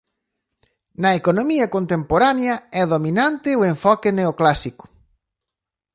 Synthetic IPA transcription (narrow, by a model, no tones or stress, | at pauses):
nɐekonomiɐkont̪empoɾaneɐɛðominant̪ɪʊeɱfɔkɪneoklasikʊ̥